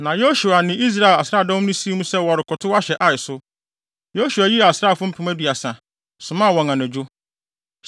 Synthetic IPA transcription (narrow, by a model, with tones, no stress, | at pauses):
nã˨jo˦ɕu˨a˨nɪ̃˨i˦s̬ɾa˦˨la˨sɾa˦˨dɔ̃˦nʊ̃˦si˦mũ˦sɛ˦wɔ˨ɾɪ˨kʰʊ˨tʰʊ˦wa˦ɕɛ˨ʔa˨ɪ˨sʊ˦ | jo˦su˨a˨ji˦a˨sɾa˦˨fʊ̃˦m̩˦pʰɪ̃˨mæ˦di˨a˨sã˨ | sʊ̃˨mã˦˨wɔ̃˨ŋã˨næ̃˨d͡ʑᶣʊ˦